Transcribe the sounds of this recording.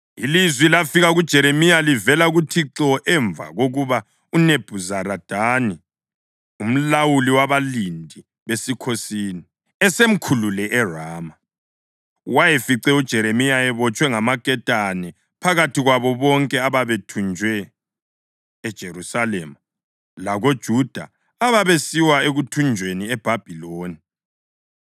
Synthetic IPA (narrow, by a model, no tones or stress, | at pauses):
ilizwilafiɣaɣud̥ʒ̥ʱɛɾemijalivɛlaɣutʰiǁɔʔɛɱva̰ɣoɣuβa | uneb̥ʱuzaɾad̥ʱani | um̩lawuliwaβalindʱi | βesikʰosiːni | ɛsem̩kʰululɛʔɛraːma | wajefiǀɛud̥ʒ̥ʱɛɾemijaɛβɔt͡ʃʼwɛŋamakʼɛtʼanɛ | pʰaɣatʰiɣwaβɔβɔŋkʼɛaβaβetʰund͡ʒʱwɛ | d̥ʒ̥ʱeɾusalɛma | laɣod̥ʒ̥ʱud̥ʱa̰ | aβaβesiwaeɣutʰund͡ʒʱweniɛb̥ʱab̥ʱiloːni